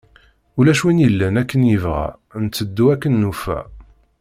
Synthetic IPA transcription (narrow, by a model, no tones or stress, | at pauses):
ulæʃwinjəlːænækːənjəvʁæ̰ | nt͡sːəd̪ːuækːənːufæ̰